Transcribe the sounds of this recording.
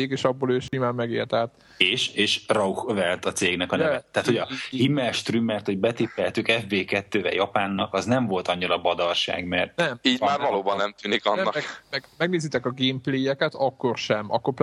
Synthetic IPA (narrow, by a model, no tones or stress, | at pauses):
eːɡeːʃɒbːoːløːʃimaːmːɛɡeːrt̪ɛːt̪ | eːʃeːʃrɒuxvɛlt̪ɒt̪seːɡnɛkɒnɛɛːɛːt̪hojɒhimɛlʃt̪rymːɛrt̪ho̞ɟbɛt̪ipːɛlt̪ykɛfbeːkɛt̪ːøːvɛ̰jɒpaːnːɒkɒznɛɱvo̞lt̪ɒɲːiɾɒbɒd̪ɒrʃa̰ːɡmɛrt̪nɛmiːɟmaːrvɒloːbɒnːɛmt̪yːnikɒnːɒɛkmɛmɛɡneːzit̪ɛkɒɡeːmpleːjɛkɛt̪ɒkːo̞rʃɛmɒ̰kːorp